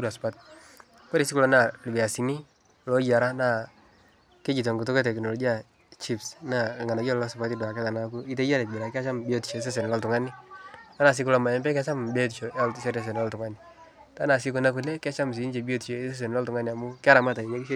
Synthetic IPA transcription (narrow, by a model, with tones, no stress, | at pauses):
ku˦ɾa˨sʊ̥˨pa˦t̚ | kɔ˦ɾi˨si˦ku˦lɔ˦na˨lu˨bɛ˨ja˨si˨ni˦ | lɔ˦d͡ʒa˨ɾa˦na˦˨ | ke˦d͡ʒi˨t̬ɔ˨ŋɡu˨t̬ʊ˦ke˦tɛ˨kno˨lɔ˨ɡi˦a˨ | t͡ʃi˦psna˦˨ŋa˨na˨ɡɔ˦lːɔ˦sʊ˨pa˦ti˦dwa˨kɛ˦ta˨na˨ku˦i˦te˦ja˦ne˨t̚bi˨ɾa˨ke˦a˦t͡ʃa˦mbi˦o˦ti̥˨ʃɔ˨˦s̬e˦s̬e˨n˨lɔ˦ltʊ˨ŋa˦ni˦ta˦na˨s̬ɪ˦ku˦lɔ˨ma˨ɛ˦mbɛ˦ka˦t͡ʃa˦mbe˦t̬i˨ʃo˨a˦lse˦ɾe˦s̬e˨n˨ɔ˦ltu˨ŋa˦ni˨ | ta˦na˨s̬i˦ko˦na˦ku˨lɛ˦ka˦t͡ʃa˦ms̬i˨˦n˦t͡ʃe˨bi˦o˦ti˨ʃe˨˦se˦s̬e˨n˨lɔ˦ltʊ˨ŋa˦ni˨a˨mu˦ka˦ɾa˨ma˦ta˨ni˨d͡ʒe˦ki˦ʃ